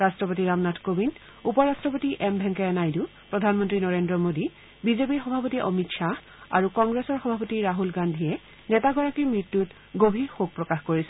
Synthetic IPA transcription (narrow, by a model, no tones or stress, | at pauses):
ɹastɹɔpotiɹamnatʰkobin | upɔɹastɹɔpotiʔɛmbʱɛŋkɛɛnajdu | pɹɔdʱanmɔntɹinɔɹendɹɔmodi | bizepiɹxɔbʱapotiʔɔ̰mitʃa | a̰ɹukɔŋɡɹesɔɹxɔbʱapotiɹaɦulɡandʱiɛ | nɛtaɡɔɹakimɹitːut | ɡobʱixoɡ̚pɹɔkaxkoɹisɛ